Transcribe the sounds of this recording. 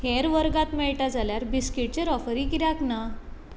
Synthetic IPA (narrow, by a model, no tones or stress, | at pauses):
heɾʋəɾɡat̪mɛɭʈad͡zaljaɾbiskiʈ̚t͡ɕeɾɔfɾikiɾjakna